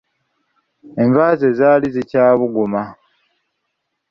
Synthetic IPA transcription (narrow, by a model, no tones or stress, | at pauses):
e̞ɱvaːzezaːlizicaːβuɡuma